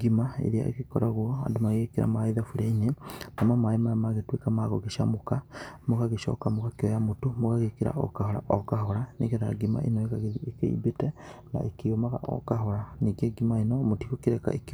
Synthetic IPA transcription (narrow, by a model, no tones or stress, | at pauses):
ɡimaḛɾea̰ʔḛkekɔ̰ɾaɣwɔa̰domaɣekeɾa̰maiðafuɾainenamamaemajamaɣetwekamaːɣɔɣeʃa̰mokamoɣaɣeʃɔ̰kamoɣakeɔjamotomoɣaɣekeɾa̰ʔɔ̰kahɔɾa̰ʔɔkaɦɔɾanḛɣɛɾaɾa̰ɡima̰ʔenɔeɣaɣeðiekḛḭbetɛna̰ʔekeomaɣa̰ʔɔ̰kaɦɔɾaniɡeɡimaenɔmotiɣokeɾɛka̰ʔek